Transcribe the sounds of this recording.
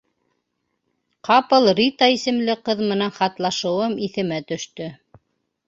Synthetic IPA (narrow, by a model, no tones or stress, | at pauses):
qɑpɤlˠɾit̪ɑisɘ̆mlɘqɤðmɤ̆nænχɑt̪lˠɑʃɤ̆wɤmiθɘ̆mæt̪ɵ̆ʃt̪ɵ